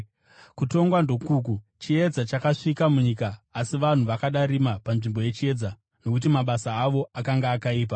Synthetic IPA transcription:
kuto̞ŋɡwando̞kuːkut͡ʃie̞d͡zat͡ʃakaʂikamuɲiːkaːsiʋan̤uʋakaɗaɾimapanʐimbo̞je̞t͡ʃie̞d͡za | no̞kut̬imaɓasaːʋo̞akaŋɡaːkaiːp̬a

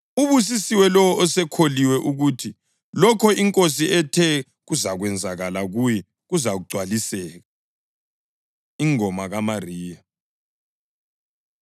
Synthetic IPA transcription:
uβus̬isiwɛlɔwɔʔɔsɛkʰoliwɛʔuɣutʰi | lɔkʰɔiŋkʼosiɛtʰɛ | ɣuzaɣwɛnd͡zʱaɣalaɣujɛ | ɣuzaɣuɡ͡ǀʱwalisɛːɣa | iŋɔmaɣamariːja

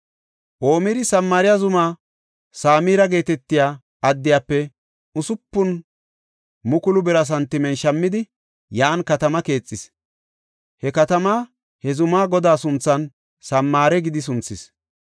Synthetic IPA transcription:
ʔo̞ːmɪɾɪsɐmːaːɾɪjɐzʊmaː | saːmiːɾɐɡe̞ːt̪ɛt̪ːɪjaː | ɐd̪ːɪjaːpːɛ | ʊsʊpːʊn | mʊkʊlʊbɛɾɐs̬ɐnt̪ːɪmɛnʃɐmːɪd̪ɪ | jaːnkɐt̪ɐmɐke̞ːt͡sʼːɪs | hɛkɐt̪ɐmaː | hɛzʊmaːɡɔd̪aːsʊnt͡sːɐn | sɐmːaːɾɛɡɪd̪ɪs̬ʊnt͡sːɪs

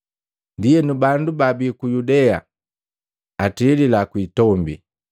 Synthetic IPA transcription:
ndijɛnubandubabikujudɛa̰ | atiːlilakwitɔmbḭ

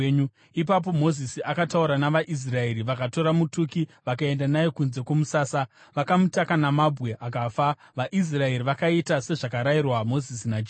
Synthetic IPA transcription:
u | ip̬ap̬o̞mo̞zisiakatauɾanaʋaʔis̬rae̞ɾiʋakato̞ɾamutukiʋakae̞ndanajekunze̞kwomusaːsa | ʋakamutakanamabʱɣe̞ʔakafa | ʋaʔis̬rae̞ɾiʋakaitase̞ʐakaɾairwamo̞zisinad͡ʒ

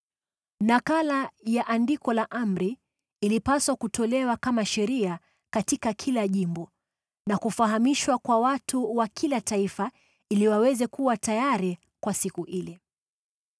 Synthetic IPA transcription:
nakalajaʔandikɔlaʔam̩ɾiː | lipaswakutɔlɛwakamaʃɛɾia | katikakʰilaʄimbɔ | nakufaɦamiʃwakwawatuwakʰilataifa | iliwawɛzɛkuwatajaɾi | kwasikuʔilɛ

